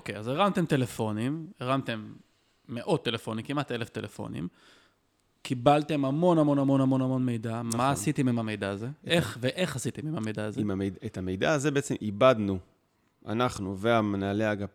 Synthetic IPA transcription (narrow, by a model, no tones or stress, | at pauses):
okejazeʁamt̪e̞mt̪e̞le̞fo̞nimeʁamt̪e̞mː | e̞ʔo̞t̪ːe̞le̞fo̞nimkimat̪e̞le̞fte̞lefo̞̰nḭm | kibalt̪e̞mhamo̞namo̞namo̞namo̞namo̞nme̞jdammaːsit̪emimame̞jdaːzeeχveʔe̞χasit̪emimhame̞jdaːzeimamejdaetame̞jd̪aːzebeet͡semʔibad̪nu | ʔa̰naχnuveamenaleaɡa